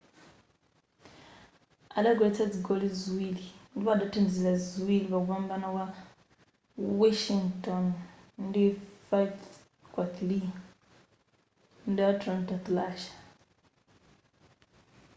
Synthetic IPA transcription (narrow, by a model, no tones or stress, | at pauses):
alaɡwet͡saziɡolizwilindiβadatendizizazwiliβaɡwaːmbanawa | woʃiŋɡtonndifajf | kwaθli | ndiwatɾantaθlaʃḁ